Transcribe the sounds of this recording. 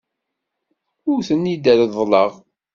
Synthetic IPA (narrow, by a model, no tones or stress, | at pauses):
ʊɾθənːid̪əɾðˤləʁ